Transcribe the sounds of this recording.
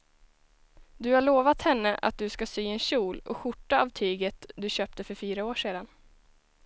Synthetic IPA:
d̪ɵhaɭoːvat̪hɛnːəʔa̰t̪̚d̪ɵskasyːɛnɕuːlɔ̰ɧʊʈːaavt̪ʰyːɡət̪d̪ɵɕøːp̚t̪əfœɾfyːɾaoːʂeːd̪an

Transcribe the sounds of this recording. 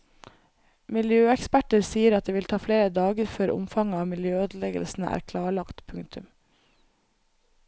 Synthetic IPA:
mɪljøːɛkspæʈəɾsiːəɾɑt̪̚d̪eːʋɪlt̪ʰɑːfleːɾəd̪ɑːɡəɾføːɾʔʊ̰mfɑŋəɑːʋmɪljøːøːd̪l̩ɛɡə̰lsn̩əæ̰ːɾkʰlɑːɭɑkt̪pʰʉŋt̪ʰʉm

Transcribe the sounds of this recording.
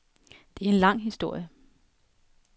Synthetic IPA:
d̥e̝æɐenlɑ̈ŋ̰ɦisd̥o̝ɐ̰jə

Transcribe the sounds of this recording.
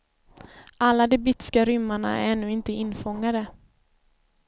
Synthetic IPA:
ʔalːad̪ɛbɪt̪ːɪ̥skaɾʏmːaɳa̰æ̰ɾɛnːʉːɪnt̪əɪnːfɔŋːad̪ə

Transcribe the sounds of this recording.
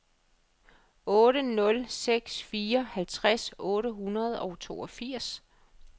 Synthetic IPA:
ɔ̽ːɾənɔ̽lseɡ̥sfiːɐhælt͡sʰʁasɔ̽ːɾəɦunɐð̞ˠɒ̽ʊt͡sʰo̝̰ːɒfiɐ̰s

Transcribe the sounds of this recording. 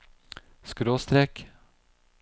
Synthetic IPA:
skɾoːst̪ɾɛk

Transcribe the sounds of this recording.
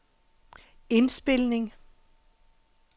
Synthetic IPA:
e̝nsb̥e̝lneŋ

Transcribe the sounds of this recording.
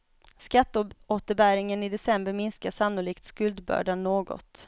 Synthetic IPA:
skat̪ːoːt̪əɾbæːɾɪŋənɪd̪ɛsɛmbəɾmɪnskaʂanːʊliːk̚t̪skɵld̪bœ̰ːɖanːoːɡɔ̰t̪

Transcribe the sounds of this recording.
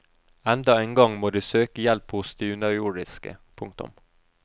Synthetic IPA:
ɛnd̪ɑeːnɡɑŋmoːd̪ʉːsøːkəjɛlphʊsd̪ɪʉnɑuːɖɪskə̰pʰʊŋk̚t̪ʊ̰m

